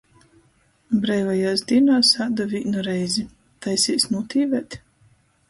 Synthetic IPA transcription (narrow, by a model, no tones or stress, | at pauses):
bɾɛjvajaːsd̪iɛnaːsad̪aviːnɔɾɛjzʲi | t̪ajsʲiːsnut̪ʲʰiːvɛt̪